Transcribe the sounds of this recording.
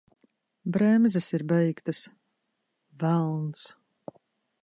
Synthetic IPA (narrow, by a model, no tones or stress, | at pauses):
bɾɛmzɛsiɾbɛjkt̪as | vælˠns